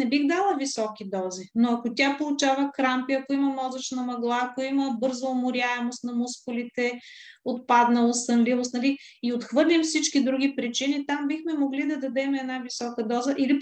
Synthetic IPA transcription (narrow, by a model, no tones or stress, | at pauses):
nɛbixd̪alˠəvisɔkid̪ɔzinoɐkot̪ʲjapolˠʊt͡ʃavəkɾampiɐkoimɐmɔzɐt͡ʃnɐmɐɡlˠaːkoimɐbɤɾzɐomʊɾʲaɛmost̪nɐmuskʊlit̪ɛot̪̚pad̪nɐost̪ɐnlivˠost̪nɐli | iot̪xvɤɾlʲimfsit͡ʃkid̪ɾuɡ̟ipɾit͡ʃinit̪ambixmɛmoɡlid̪ɐd̪ɐd̪ɛmɛɛd̪navisɔkəd̪ɔzəʔili